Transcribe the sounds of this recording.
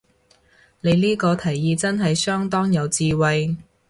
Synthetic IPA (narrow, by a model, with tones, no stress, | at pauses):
ne˨˧jliː˥kɔː˧t̪ʰɐ˨˩jːiː˧t͡sɐ˥nɦɐ˨jsœː˥ŋt̪ɔː˥ŋjɐ˨˧wt͡siː˧wɐ˨j